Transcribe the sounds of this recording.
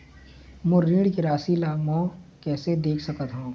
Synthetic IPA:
mʊɾɾiːɽkiɾaːsilaːmɔ̃kɛːsed̪eːkʰsɐkət̪ɦũː

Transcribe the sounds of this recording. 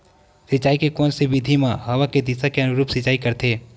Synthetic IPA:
sɪt͡ʃaːikekɔːnsibid̪ʱimãɦɐʋaked̪isakeɐnʊɾuːpsɪt͡ʃaːikɐɾt̪ʰeː

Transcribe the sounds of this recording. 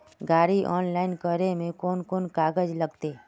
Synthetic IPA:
ɡaːɾiʔɔ̰ːnlaːɪnkəɾemẽkoːnkoːnkaːɡəd͡ʒləɡt̪eː

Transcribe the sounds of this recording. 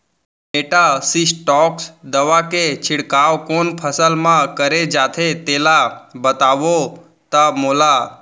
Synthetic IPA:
eʈasisʈɔksd̪əʋaket͡ʃʰɪɽkaʋkonpʰəsəlmãkəɾed͡ʒat̪ʰet̪elabət̪aʋo | t̪amoːla

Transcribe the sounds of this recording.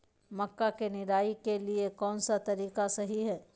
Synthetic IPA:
mɐkːakenɪɾaːikeliekɔːnsat̪ɐɾiːqasɐɦiɦɛː

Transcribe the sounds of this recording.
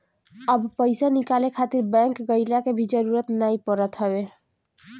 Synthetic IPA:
əbpəɪsanikalekʰat̪iɾbɛ̃ŋkɡəɪlakebʱid͡ʒəɾuɾət̪najpəɾət̪ɦəbe

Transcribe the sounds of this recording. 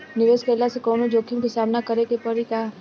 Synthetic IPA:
nɪʋeːskeəlːasekɔːnod͡ʒoːkʰimkisaːmnakɐɾekepɐɾikaː

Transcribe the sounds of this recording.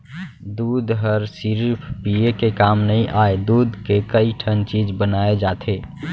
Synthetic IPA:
d̪ud̪ɦəɾsiɾpʰpiekekamnəĩʔaed̪uːd̪kekəiʈʰənt͡ʃid͡ʒbənaed͡ʒat̪ʰe

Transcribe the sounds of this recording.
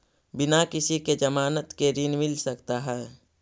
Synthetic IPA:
bɪnakɪsiked͡ʒəmaːnət̪keɾinmɪlsəkt̪aɦɛː

